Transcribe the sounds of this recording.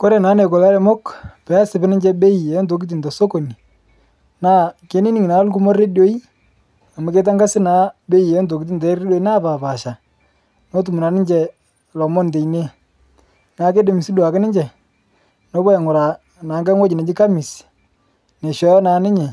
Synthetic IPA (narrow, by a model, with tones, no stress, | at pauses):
ko˦ɾe˨na˨˦ne˨kɔ˨la˦ɾɛ˨˦mɔ˦kpɛ˨˦a˦sɪ˨bɪ˦nɪ˦ɲd͡ʒɛ˦be˦i˨ɛ˨jɔ˦nt̬o˨k̬i˦t̬i˨ntɔ˨so˦ko˨ni˨ | naː˦ke˨˦ni˦ni˨ŋi˨na˨˦lk̬u˦mo˦re˦djo˦i˦ | a˨ma˨ke˦t̬a˦ŋɡa˦sɪ˦naː˦be˦i˨ɛ˨jnt̬o˨ki˦t̬i˦ntɛ˨˦re˦do˦i˦na˦˨pa˨pa˨ʃa˨ | no˦tu˨mu˨na˨nɪ˦ɲd͡ʒɛ˨ | lɔ˨mɔ˦n˨te˨i˨ne˦ | naː˨˦ke˦de˨mi˨si˦du˨a˨kɪ˦nɪ˦ɲd͡ʒɛ˨ | no˦bɔ˦jɛ˨ŋʊ˨ɾa˨ | na˨˦ŋɡa˦ŋwɔ˦d͡ʒi˨ne˨d͡ʒɪ˦ka˦mɪ˨s | ne˨ʃɔ˨˦jnaː˨˦nɪ˦ɲɛ˨